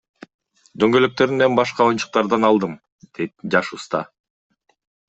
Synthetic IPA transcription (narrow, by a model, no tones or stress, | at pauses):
d̪øŋɡø̞løk̚t̪ø̞ɾynembɑʃqɑo̞jnt͡ʃu̥q̚t̪ɑɾd̪ɑnɑlˠd̪ɯm | d̪̥et̪̚d͡ʒɑʃst̪ɑ